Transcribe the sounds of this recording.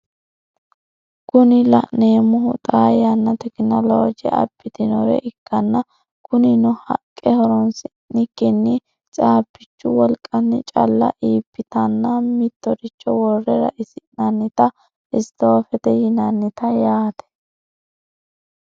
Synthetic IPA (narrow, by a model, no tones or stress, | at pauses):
kʊnɪlɐ̰ʔneːmʊɦʊt̪ʼaːjɐnːɐt̪ɛknɐloːd͡ʒɛ̰ɐ̰bːɪt̪ɪnɔɾɛ̰ʔɪkːɐnːɐ | kʊnɪnɔhɐ̰kʼːɛhɔɾɔnsɪ | nɪkːɪnːɪ | t͡sʼaːpːɪt͡ʃːʊwɔlkʼɐnːɪt͡ʃʼɐ̰lːɐ̰ʔiːpːɪt̪ɐnːɐmɪt̪ːɔɾɪt͡ʃːɔwɔrːɛɾɐ̰ʔɪsɪnɐnːɪt̪ɐ | ʔɪst̪oːfɛt̪ɛjɪnɐnːɪt̪ɐjaːt̪ɛ̥